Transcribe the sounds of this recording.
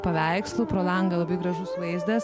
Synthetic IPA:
pɐʋʲæɪkslˠʊpɾoːlˠɐŋɡɐlˠɐbɐɪɡɾɐʒʊssʋɐɪzʲd̪ʲɛs

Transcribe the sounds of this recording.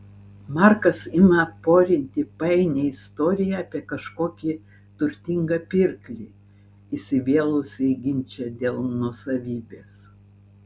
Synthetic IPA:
mɑˑɾkɐsɪmɐpoːɾʲɪnʲt̪ʲɪpɐɛɪnʲeɪst̪oːɾʲɪjɛɑːpʲiɛkɐʃkoːkʲi | t̪ʊɾʲt̪ʲɪŋɡɐpʲɪɾklʲi | isʲɪʋʲeɛlˠʊsʲɛɡʲɪnʲt͡ʃʲɛd̪ʲeːlˠnuɔsɐʋʲiːbʲeːs

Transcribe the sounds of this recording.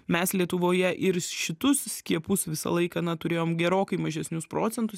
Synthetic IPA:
mʲɛslʲiɛt̪ʊʋoːjɛʔɪɾʃʲɪt̪ʊssʲkʲiɛpʊsʋʲɪsɐ̰lˠɐɪkɐːnɐt̪ʊɾʲeːjoːmɡʲɛɾoːkɐɪmɐʒʲɛsʲnʲʊspɾoːt̪t͡ssʲɛnt̪ʊs

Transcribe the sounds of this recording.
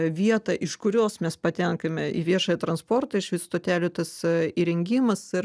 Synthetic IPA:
ʋʲiɛt̪ɐʔɪʃkʊɾʲoːsmʲɛspɐt̪ʲɛŋkɐmʲɛʔḭʋʲiɛʃɐːjɛt̪ɾɐnspoːrt̪ɐɪʃʋʲɪst̪oːt̪ʲæːlʲʊt̪ɐsiːɾʲɛŋʲɡʲiːmɐsɪr

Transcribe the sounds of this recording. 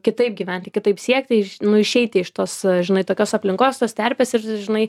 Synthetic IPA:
kʲɪt̪ɐɪp̚ɡʲiʋʲɛnʲt̪ʲɪkʲɪt̪ɐɪpsʲiɛktʲɪɪʃnʊɪʃʲɛɪt̪ʲɪɪʃt̪oːsʒʲɪnɐɪt̪oːkʲoːsɐpʲlʲɪŋkoːst̪oːst̪ʲæɾʲpʲeːsɪɾʒʲɪnɐɪ

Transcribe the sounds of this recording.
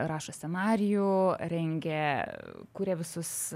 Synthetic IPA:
ɾɑːʃosʲɛnɑːɾʲɪjʊɾʲɛŋʲɡʲɛ | kuːɾʲɛʋʲɪsʊs

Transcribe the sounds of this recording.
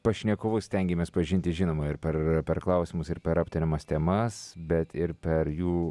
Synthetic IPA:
pɐʃʲnʲɛkoːʋʊsʲt̪ʲɛŋʲɡʲɛmʲɛːspɐʒʲɪnʲt̪ʲɪʒʲɪnoːmɐɪɾpʲɛrpʲɛɾklˠɐʊsʲimʊsɪɾpʲɛɾɐpʲt̪ʲɪnʲɪmɐst̪ʲɛmɐsbʲɛt̪ɪɾpʲɛɾjuː

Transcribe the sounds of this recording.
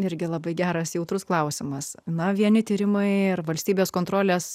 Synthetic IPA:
ɪɾʲɡʲɪlˠɐbɐɪɡʲæːɾɐsjɛʊt̪ɾʊsklˠɐʊsʲɪmɐsnɐʋʲiɛnʲɪt̪ʲiːɾʲɪmɐɪɪrʋɐlʲsʲt̪ʲiːbʲeːskoːnt̪ɾoːlʲeːs

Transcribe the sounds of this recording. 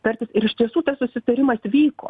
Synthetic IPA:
t̪ɐɾʲt̪ʲɪsɪɾɪʃt̪ʲiɛsuːt̪ɐssʊsʲɪt̪ɐɾʲɪmɐsʋʲiːko̰ː

